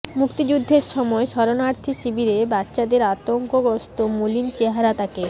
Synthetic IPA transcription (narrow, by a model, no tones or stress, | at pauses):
mukt̪id͡ʑud̪ʱːeɾʃɔmɔeʃɔɾonaɾt̪ʰiʃibʱiɾebatːɕad̪eɾat̪oŋkoɡɔst̪omolint͡ɕeɦaɾat̪ʰake